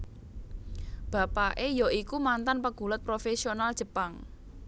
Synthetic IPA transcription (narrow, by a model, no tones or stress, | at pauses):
b̥a̤paʔejɔikumant̪anpəɡ̥ṳlət̪̚pɾofesionald̥ʒ̥ə̤paŋ